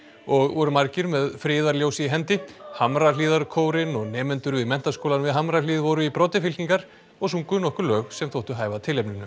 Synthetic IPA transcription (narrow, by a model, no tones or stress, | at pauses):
ɔɣvɔɾʏmaɾcɪɾmɛðfɾɪːðaɾljoːwsiɪɦɛnt̪ɪhamɾaliːðaɾkʰoːwɾɪnɔɣnɛːmɛnt̪ʏɾʏɪmɛn̥t̪askowlanvɪðɦamɾaliːðvɔɾʏipɾɔːt̪ɪfɪlt̪iŋkaɾ̥ | ɔɣsuŋkʏnɔhkʏɾlœːɣsɛmθowht̪ʏɦaːjvat̪ʰɪlejpnɪnːʏ